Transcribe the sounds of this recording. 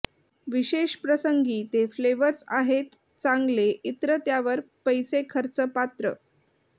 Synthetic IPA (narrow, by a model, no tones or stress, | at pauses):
ʋiɕeɕpɾəsəŋɡiːt̪efleʋəɾsa̰ɦet̪ | t͡sãŋɡleʔit̪ɾət̪jaʋəɾpəjsekʰəɾt͡səpat̪ɾə̰